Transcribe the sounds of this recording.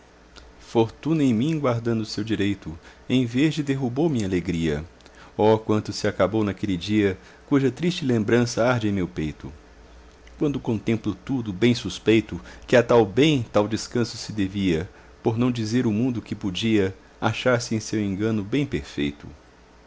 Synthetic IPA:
foɾt̪ũnɐẽj̃mĩɡwaɾd̪ɐ̃nd̪ʊsewd͡ʒiɾejt̪ʊ | ẽj̃vezd͡ʒɪd̪eɦubowmĩɲaleɡɾiɐ̰ɔkwɐ̃nt̪ʊsɪakabownakelɪd͡ʒiɐ | kuʒɐt̪ɾist͡ʃɪlẽmbɾɐ̃sɐaɾd͡ʒẽj̃mewpejt̪ʊ | kwɐ̃nd̪ʊkõnt̪ẽmplʊt̪ud̪ʊbẽj̃suspejt̪ʊkɪat̪awbẽj̃t̪awd͡ʒɪskɐ̃sʊ̥sɪd̪eviɐ | poɾnɐ̃w̃d͡ʒizeɾʊmũnd̪ʊkɪpod͡ʒiɐ | aʃaɾsɪẽj̃sewẽŋɡɐ̃nʊbẽj̃peɾfḛjt̪ʊ̰

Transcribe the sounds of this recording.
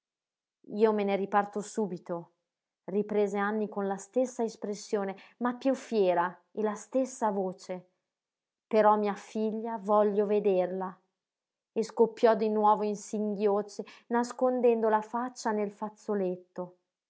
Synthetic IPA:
iːomeneɾipart̪osuːbit̪o | ripɾeːzeanːikonlast̪esːaespɾesːjoːnemapːjufːjɛːɾaelast̪esːavoːt͡ʃe | peɾɔmːiafiʎːavɔlːoved̪erla | eskopːjɔd̪inwɔːvoinsiŋɡjot͡ʃenaskond̪ɛnd̪olafat͡ʃːanelfat̪sːolet̪ːo

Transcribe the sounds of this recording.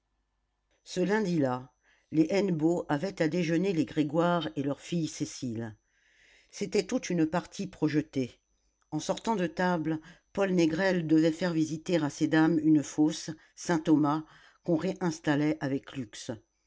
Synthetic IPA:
səlɛ̃d̪ila | leʔɛnboʔavɛt̪ad̪eʒəneleɡʁeɡwaʁelœʁfijsesil | set̪ɛt̪ut̪ynpaʁt̪ʰipχɔʒət̪e | ɑ̃sɔʁt̪ɑ̃d̪ət̪ablpɔlneɡʁɛld̪əvɛfɛʁvizit̪eʁased̪amynfosː | ɛ̃t̪ɔma | kɔ̃ʁeʔɛ̃st̪alɛʔavɛklyks

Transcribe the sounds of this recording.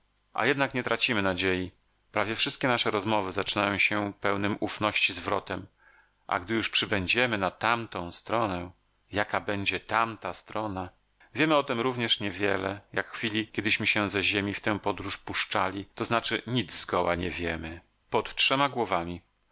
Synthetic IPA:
ʔa̰jɛd̪nakɲɛt̪ɾat͡ɕimɘnad͡ʑeji | pɾavʲjɛfʂɘst̪kʲɛnaʂɛɾɔzmɔvɘzat͡ʂɘnajɔ̃w̃ɕɛpɛwnɘmʔufnɔɕt͡ɕizvɾɔ̰t̪ɛm | ʔa̰ɡd̪ɘjuʂpʂɘbɛɲd͡ʑɛmɘnat̪amt̪ɔ̃w̃st̪ɾɔnɛ | jakabɛɲd͡ʑɛt̪amt̪ast̪ɾɔna | vʲjɛmɘɔt̪ɘmɾuvɲɛʂɲɛvʲjɛlɛjakxfʲilʲikʲɛd̪ɘɕmɘɕɛzɛʑemʲift̪ɛw̃pɔd̪ɾuʂpuʂt͡ʂa̰lʲit̪ɔznat͡ʂɘɲid̪zzɡɔwa̰ɲɛvʲjɛmɘ | pɔt̪tʂɛmaɡwɔvamʲi

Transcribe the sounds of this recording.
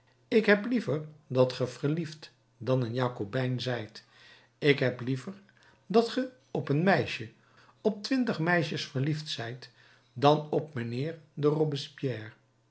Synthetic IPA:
ɪkɦɛplivəɹdɑtχəv̥əɹlift | dɑnənjaːkobɛjnzɛjt | ɪkɦɛplivəɹ | dɑtχə | ɔpənmɛjʃə | ɔp̚tʋɪntəχmɛjʃəsfəɹliftsɛjt | dɑnɔpmənɪːɹdərobəspjɛːɹ

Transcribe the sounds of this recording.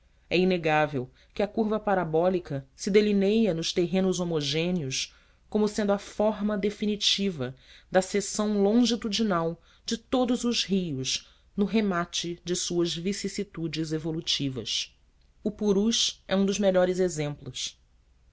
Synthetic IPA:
ɛineɡavew | kɪɐkuɾvɐpaɾabɔlikɐsɪd̪elinejɐnʊʃt̪eɦẽnʊzomoʒẽniʊs | kõmʊsẽnd̪ʊɐfɔɦmɐd̪efinit͡ʃivɐd̪ɐsesɐ̃w̃lõʒit̪ud͡ʒinaw | d͡ʒɪt̪od̪ʊzʊzɦijʊʃ | nʊɦemat͡ʃɪd͡ʒɪsuɐzvisisit̪ud͡ʒɪzevolut͡ʃivɐ̰s | ʊpuɾuʃɛũd̪ʊzmeʎɔɾɪzezẽmplʊs

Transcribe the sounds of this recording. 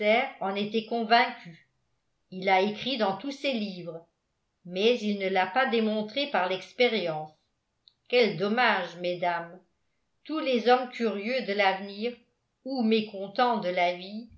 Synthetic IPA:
ɛːʁɑ̃net̪ɛkɔ̃vɛ̃kʲy | ilaekχid̪ɑ̃t̪usɛliːvʁ | mɛzilnəlapad̪emɔ̃t̪χepaʁlɛkspeʁjɑ̃s | kʲɛld̪ɔmaʒmed̪am | t̪ulezɔmkʰʲyʁjød̪əlavniːʁ | umekɔ̃t̪ɑ̃d̪əlavi

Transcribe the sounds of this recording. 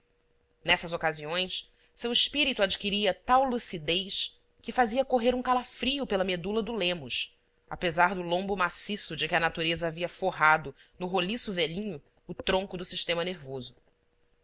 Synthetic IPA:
nɛsɐzokaziõj̃s | sewiʃpiɾit̪uad͡ʒikiɾiɐt̪awlusid̪ejʃ | kɪfaziɐkoɦeɾũkalafɾiʊpelɐmed̪ulɐd̪ʊlẽmʊʃ | a̰pezaɾd̪ʊlõmbʊmasisʊd͡ʒɪkʲɪɐnat̪uɾezɐaviɐfoɦad̪ʊnʊɦolisʊvɛʎĩɲʊː | t̪ɾõŋkʊd̪ʊsiʃt̪ẽmɐneɾvozʊ

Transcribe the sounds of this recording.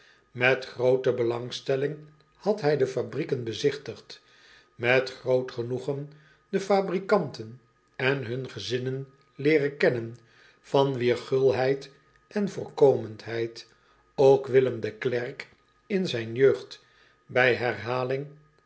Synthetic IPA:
mɛtχrowtəbəlɑŋstɛlɪŋ | hɑtɦɛjdəfabrikənbəzɪχtəχt | mɛtχrowtχənuχən | dəfaːbrikɑntən | ɛnɦɵnχəzɪnən | lɪːrəkɛnən | fɑnʋiːɹχɵlˠɦɛjt | ʔɛnvʊːɹkowməntɦɛjt | owkʋɪləmd̪əklɛrk | ɪnzɛjnjøɥχt | bɛjɦɛrɦaːlɪŋ

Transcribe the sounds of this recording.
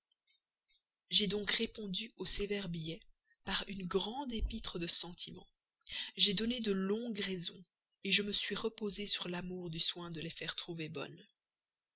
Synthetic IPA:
ʒed̪ɔ̃kʁepɔ̃d̪yosevɛʁbijɛ | paʁynɡʁɑ̃d̪epit̪χəd̪əsɑ̃t̪ʰimɑ̰̃ | ʒɛd̪ɔned̪əlɔ̃ɡʁɛzɔ̰̃ | eʒəməsɥiʁəpozesyʁlamuʁd̪yswɛ̃d̪əlefɛʁt̪χuvebɔ̰n

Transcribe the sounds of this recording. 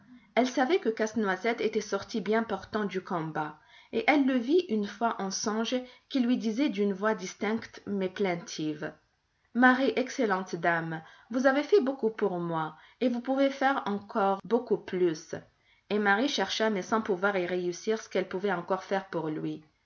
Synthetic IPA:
ɛlsavɛkəkasnwazɛt̪et̪ɛsɔʁt̪ibjɛ̃pɔʁt̪ɑ̃d̪ykɔ̃ba | eʔɛlːəviʔynfwaʔɑ̃sɔ̃ʒkʲilɥid̪izɛd̪ynvwad̪ist̪ɛ̃kt̪mɛplɛ̃t̪ʰiv | maʁiʔɛkselɑ̃t̪d̪amvuzavefɛbokupuʁmwa | evupuvefɛʁɑ̃kʰɔʁbokuplys | emaʁiʃɛʁʃamɛsɑ̃puvwaʁeʁeysiʁsə̥kɛlpuvɛɑ̃kɔʁfɛʁpuʁlɥi

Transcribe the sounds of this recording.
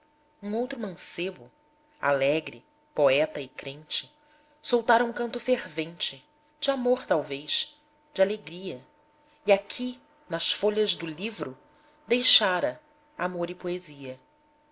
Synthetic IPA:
ũowt̪ɾʊmɐ̃sebʊ | a̰lɛɡɾɪ̰ | poɛt̪ɐɪkɾẽnt͡ʃɪ̥ | sowt̪aɾɐũŋkɐ̃nt̪ʊfeɾvẽnt͡ʃɪ | d͡ʒɪamoɾt̪awvejʃ | d͡ʒɪaleɡɾiɐ | iakʰi | nɐʃfoʎɐzd̪ʊlivɾʊ | d̪ejʃaɾɐ | amoɾɪpoeziɐ

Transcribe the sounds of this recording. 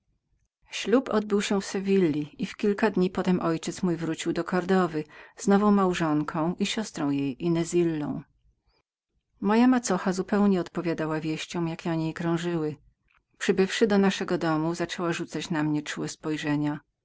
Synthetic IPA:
ɕlupɔd̪̚bɘwɕɛfsɛvʲilʲːiifkʲilkad̪ɲipɔt̪ɛmʔɔjt͡ʂɛt̪smujvɾut͡ɕiwd̪ɔkɔɾd̪ɔvɘz̥nɔvɔ̃w̃mawʐɔŋkʰɔ̃w̃ʔiɕɔst̪ɾɔ̃w̃jejʔinɛzʲilːɔ̰̃w̃ | mɔjamat̪sɔxazupɛwɲɛɔt̪pɔvʲjad̪awavʲjeɕt͡ɕɔ̃w̃jakʲɛɔɲejkɾɔ̃w̃ʐɘwɘ | pʂɘbɘfʂɘd̪ɔnaʂɛɡɔd̪ɔmuzat͡ʂɛwaʐut̪sat͡ɕnamɲɛt͡ʂuwɛspɔjʐɛɲa

